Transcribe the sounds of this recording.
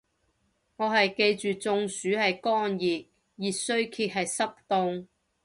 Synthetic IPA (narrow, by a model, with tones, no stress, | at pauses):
ŋɔː˨˧ɦɐ˨jke˧jt͡ʃyː˨t͡sʊ˧ŋsyː˨˥hɐ˨jkɔː˥njiː˨t̚ | jiː˨t̚sɵ˥ɥkʰiː˧t̚ɦɐ˨jsɐ˥p̚t̪ʊ˧ŋ